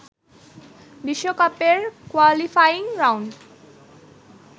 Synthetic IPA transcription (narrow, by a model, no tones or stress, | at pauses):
biʃːokɔpeɹkwalifʰajiŋɾawɳɖ